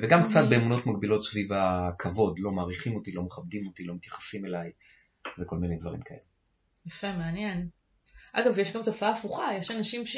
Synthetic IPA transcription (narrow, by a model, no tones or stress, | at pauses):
veɡamkt͡sat̪̚be̞ːmuno̞t̪maɡbilo̞tsvivakʰavo̞dlo̞maːʁiχimot̪ilo̞meχabd̪imo̞t̪ilo̞mit̪jaχḁsime̞laj | veko̞lminejd̪vaʁḭmkʰae̞̰le | jafemeanjen | ʔa̰ɡavjeʃɡamtofaaːfuχajeʃanaʃimʃ